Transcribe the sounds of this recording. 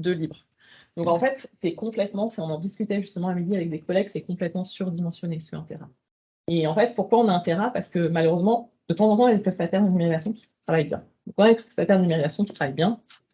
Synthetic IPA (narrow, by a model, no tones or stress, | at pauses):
d̪əlibʁ | d̪ɔ̃kɑ̃fɛt̪sɛkɔ̃plɛt̪mɑ̃siɔ̃nɑ̃d̪iskʲyt̪ɛʒyst̪əmɑ̃amid̪iavɛk̚d̪ekɔlɛɡ̚ki̥sɛkɔ̃plɛt̪mɑ̃syʁd̪imɑ̃sjɔnesyʁɛ̰̃t̪eʁã | eɑ̃fɛt̪̚puʁkwaɔ̃naɛ̃t̪eʁãpaʁsə̥kəmaløʁøzmɑ̃ | d̪̥ət̪ɑ̃zɑ̃t̪ɑ̃ɛlkɛsat̪ɛʁnd̪nymeʁizasjɔ̃kʲi̥t̪χavajbjɛ̰̃ | d̪̥ɔ̃kɔ̃nɛlsat̪ɛʁnd̪nimeʁizasjɔ̃kʲi̥t̪χavajbjɛ̃